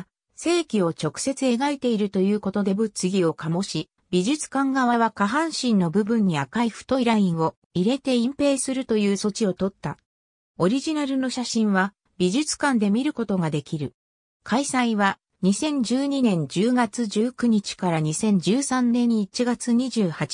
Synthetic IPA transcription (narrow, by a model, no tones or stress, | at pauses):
se̞ːkʲio̞t͡ɕo̞kɯ̟̥se̞t͡sɨe̞ɡait̪e̞iɾɯ̟t̪o̞jɯ̟ːko̞t̪o̞d̪e̞bɯ̟t͡sɨɡʲio̞kamo̞ɕi | bʲiʑɨt͡sɨ̥kãŋɡaβaβ̞akaɦãɰ̃ɕĩnːo̞bɯ̟bɯ̟̃ɲ̟ːiakaiɸɯ̟̥t̪o̞iɾaĩɰ̃o̞ | iɾe̞t̪e̞ĩmpe̞ːsɨɾɯ̟t̪o̞jɯ̟ːso̞t͡ɕio̞t̪o̞t̪ːa | o̞ɾʲiʑinaɾɯ̟no̞ɕaɕĩɰ̃βa | b̥ʲiʑɨt͡sɨ̥kãnd̪e̞mʲiɾɯ̟ko̞t̪o̞ɡad̪e̞kʲiɾɯ̟ | kʰaisãĩβa | ɲ̟isẽ̞ɲ̟d͡ʑɨːɲ̟inẽ̞ɲ̟d͡ʑɨːɡat͡sɨd͡ʑɨːkɯ̟ɲ̟it͡ɕi̥kaɾaɲ̟isẽ̞ɲ̟d͡ʑɨːsãnnːẽ̞ɲ̟ːiːt͡ɕiɡat͡sɨɲ̟iʑɨːhat͡ɕi̥